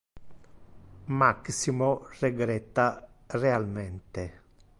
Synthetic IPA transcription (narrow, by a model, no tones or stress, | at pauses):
maksimoreɡɾɛt̪ːarealmɛnt̪e